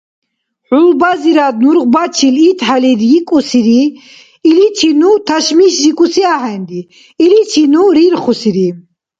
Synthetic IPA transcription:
ħulbaziɾad̪nuɾʁbat͡ʃʰilit̪ʰʼħaliɾjikʼusiɾi | ilit̪ʰinut̪ʰaʃmiʃzikʼusiahɛnd̪i | ilit̪ʰinuɾiɾχusiɾi

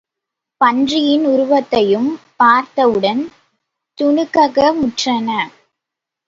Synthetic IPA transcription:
pɐndrɪjɪnʊɾʊʋɐt̪ːɐjɯmpaːɾt̪ɐʋɯɽɐn | t̪ʊnɯkːɐɣɐmʊʈrɐnɐ

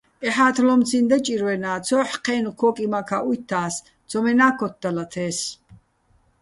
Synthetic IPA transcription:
ɛħaːt̪ʰlɔmt͡sʰind̪at͡ʃʼiɾwɛnaːt͡sʰɔːħqʰɛːnukʰɔːkʼimakʰaʔujt̪ʰːaːs | d̪d͡zɔmɛnaːkʰɔt̪̚d̪alat̪ʰɛːs

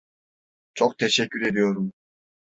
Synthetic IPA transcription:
t͡ʃʰok̚t̪ʰeʃɛcʲːyɾe̞d̪ijo̞ɾum

